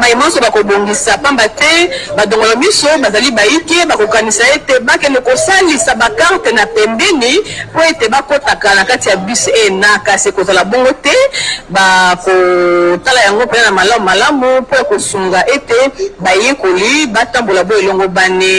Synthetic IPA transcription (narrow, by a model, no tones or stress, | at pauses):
bajimsobakoboŋɡisapambatɛbadoŋɡolamisobazalibajikebakokanisaetebakɛnɛkosalisabakaʁtenapɛmbɛnipoetebakotakanakatijabiseenakasikozalabɔŋɡotɛbakotalajaŋɡopenaamalaumalamupojakosuŋɡaʔetebajekolibatambolaboelɔŋɡobane